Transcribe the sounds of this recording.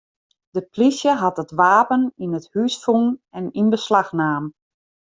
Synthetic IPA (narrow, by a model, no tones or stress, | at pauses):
d̥əplisjəɦɑtətʋaːpəninəthysfuŋɛninbəslaxnaːm